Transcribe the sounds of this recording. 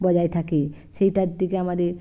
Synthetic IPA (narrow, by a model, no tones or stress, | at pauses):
bɔd͡ʒajt̪ʰaki | ʃejʈad̪ikeamad̪eɾ